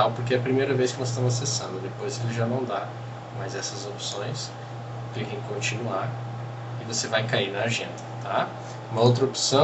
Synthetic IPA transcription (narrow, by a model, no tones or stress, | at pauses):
awpoɾkeɛɐpɾimejɾɐveskɪnɔzɪs̬t̪ɐ̃mʊzasesɐ̃nd̪ʊd̪epojzelɪʒanɐ̃w̃d̪a | mɐzɛsɐzopsõj̃s | klikẽj̃kõt͡ʃinuaɾ | ɪvosevajkainɐaʒẽnd̪ɐt̪a | ũmɐowt̪̬ɾɐopsɐ̃